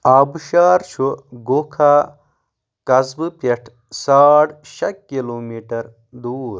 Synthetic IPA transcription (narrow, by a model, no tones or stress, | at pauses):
aːbuʃaːɾt͡ʃʰuɡokʰa | kɐzbɨpeʈʰ | saːɽʃɐkkːiloːmiːʈɐɾ | d̪uːɾ